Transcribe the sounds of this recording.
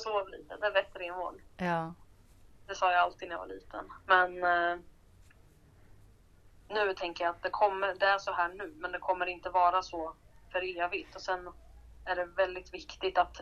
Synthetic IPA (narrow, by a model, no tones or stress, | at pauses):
sɔvavɛlḭːt̪əd̪ɛːbɛt̪ːɾɪnho̰l | d̪̥ɛsɑːjaalt̪iːd̪nɛja̰va̰ɭiːt̪ʰə̰nmɛn | ʉ̟ːt̪ʰɛŋkəjaːt̪̚d̪ɛkʰɔmːəɖ̪ɛæʂɔɦæːɳʉ̟ːmɛnd̪ɛkʰɔmːəɾɪnt̪əvɑːɾasɔfœɾeːvɪt̪ɔsɛnæɖɛvɛld̪ɪt̪vɪkt̪ɪt̪at̪